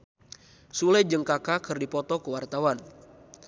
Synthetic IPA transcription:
sulɛd͡ʒəŋkakakɨrdipɔt̪ɔkəwart̪awan

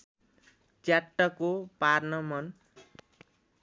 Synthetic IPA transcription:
t͡sjaʈːʌkoparnʌmʌn

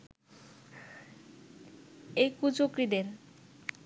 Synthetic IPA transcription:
ejkud͡ʑokɾid̪eɾ

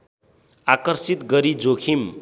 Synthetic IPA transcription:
akʌrsit̪ɡʌɾid͡zokʰim

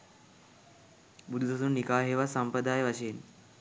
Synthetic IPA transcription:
bud̪ʱud̪ɐsunːikaːɦeʋasampɾəd̪aːjʋɐɕeːn

